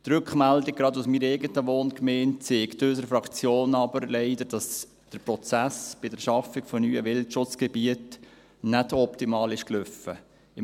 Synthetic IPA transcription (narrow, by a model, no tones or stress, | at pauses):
t̪ɾʏkχmældɪk̚ɡ̥ɾɑdusmiːɾɛɪɡətəʋoːnkmɛːnt͡seːktøs̬əɾfɾɑkt͡sjoːnɑbəɾlɛɪdəɾd̥ɑs | d̥əɾpɾɔt͡sæsb̥ɪdəɾʃɑfɪkfɔnyːəʋɪltʃʊt͡sɡ̥ɛbiət | nɛdɔptimɑːlɪʃklʏfə | ɪ